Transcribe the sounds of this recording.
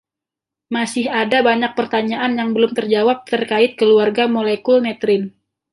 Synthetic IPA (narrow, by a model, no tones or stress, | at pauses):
masɪhadabaɲak̚pərt̪aɲaʔanjaŋbəlʊmt̪ərd͡ʒawap̚t̪ərkaɪt̪̚kəluarɡamolekulnɛt̪ɾɪn